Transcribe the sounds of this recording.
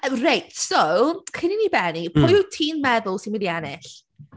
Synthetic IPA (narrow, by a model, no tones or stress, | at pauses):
rejtsowkʰɪniniːbɛnipʰʊjtʰiːnmɛðʊlˠsinmiðjanɪɬ